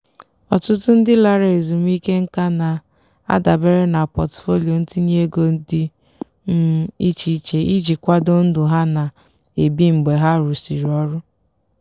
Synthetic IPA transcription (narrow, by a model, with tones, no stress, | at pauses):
ɔ˨tʊ˦tʊ˦n̩˦dɪ˦la˦ɾe˨zu˨m˦i˦ke˦ŋ̩˦ka˦na˨ | a̰˦da˨be˦ɾe˦na˨pɔ˨tfo˦li˨o˨n̩˦tɪ˦ɲe˦ɡo˨n̩˦dɪ˦ | m̩˦i˦t͡ʃi˦t͡ʃe˨˦i˦d͡ʒi˨kʷa˦do˦n̩˦dʊ˨ɦa˦na˨ | e˨bi˦ŋ͡m̩˨ɡ͡be˨ɦa˦ɾu˨si˨ɾɔ˦ɾʊ˦